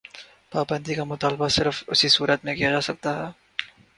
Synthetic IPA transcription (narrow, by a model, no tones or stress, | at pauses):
paːbə̃nd̪ikamʊt̪aːlbasɪɾəfʊsisuːɾət̪mẽkijad͡ʒaːsɐk̚t̪aɦɛː